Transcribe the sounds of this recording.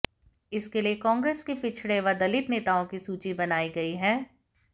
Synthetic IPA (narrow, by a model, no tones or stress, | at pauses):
ɪskeliekɔ̃ːŋɡɾeːskipɪt͡ʃʰɽeʋɐd̪ɐlɪt̪neːt̪aːõkisuːt͡ʃibɐnaːiɡɐiɦɛ̃ː